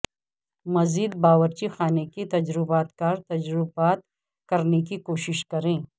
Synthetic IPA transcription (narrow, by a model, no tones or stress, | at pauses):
mɐziːd̪̚baːʋəɾt͡ʃixaːnekit̪ɐd͡ʒɾɪbaːt̪kɐɾt̪ɐd͡ʒɾɪbaːt̪̚ | kɐɾnek̬ikoːʃɪʃkɐɾẽː